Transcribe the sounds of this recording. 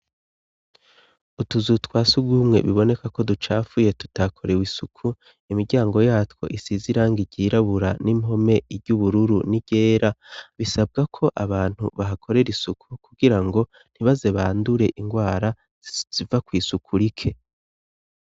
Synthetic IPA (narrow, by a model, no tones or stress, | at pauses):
utuzutwaːsuɡɡuːmŋe̞̰βiβo̞ne̞kako̞dut͡ʃaːfuje̞tu̥takʰo̞ɾe̞wisukʰu | imiɾɟaːŋɡo̞jaːtwo̞̰ʔisiziɾaːŋɡiɟiːɾaβuɾanimɦo̞me̞iɾɟuβuɾuɾuniɟ̥e̞ːɾaβisab̚ɡakʰo̞ʔaβaːn̥huβaɦakʰo̞ɾe̞ɾisukʰukuɡiɾaŋɡo̞ | n̥hiβaze̞βa̰ːnduɾe̞ʔiŋɡwaːɾa | z̥ivakwiːsukʰuɾikʰe̞